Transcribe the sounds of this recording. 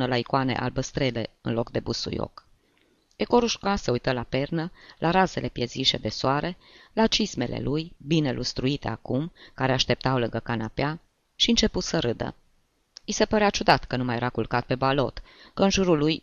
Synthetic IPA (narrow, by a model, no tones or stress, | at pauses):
nəlaikane̞̰ʔa̰lbəst̪ɾe̞le̞ɨ̰nlo̞kd̪e̞busṵjo̰k | eko̞ɾuʃkaseujt̪əlape̞rnəlʔaɾaze̞le̞pjeziʃe̞̰d̪e̞soaɾe̞lat͡ʃisme̞le̞̰lujbine̞lʔust̪ɾuit̪e̞a̰kumkaɾeaʃt̪e̞p̚t̪awlɨŋɡəkanapea | ʃiɨnt͡ʃe̞put̪səɾɨd̪ə̰ | jise̞pəɾeat͡ʃud̪at̪kənumaje̞ɾakulkat̪̚pe̞balo̞̰t̪kəɨnʒuɾulːuj